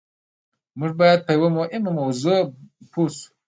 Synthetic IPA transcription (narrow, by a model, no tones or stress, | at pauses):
muʒbɑjad̪̚pəjawəmohɪmamawzopʰosu̥